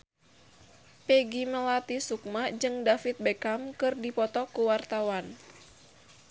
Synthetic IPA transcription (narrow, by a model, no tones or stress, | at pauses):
pɛɡiməlat̪isuk̚mad͡ʒɨŋdafit̪̚bɛkamkɨrdipɔt̪ɔkuwart̪awan